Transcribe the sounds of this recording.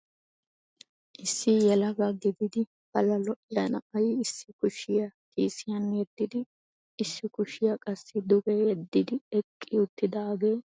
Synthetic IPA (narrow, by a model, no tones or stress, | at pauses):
ʔɪsːɪjɛlɐɡɐɡɪd̪ɪd̪ɪ | b̥ɐlɐlɔʔɪjɐnɐʔɐjɪsːɪkʊʃɪjɐkʼiːsɪjɐnːɛɛt̪ːɪd̪ɪː | sːɪkʊʃɪjɐkʼɐsːɪd̪ʊbɛɛd̪ːɪd̪ɪɛkʼːɪʊt̪ːɪd̪aːɡeː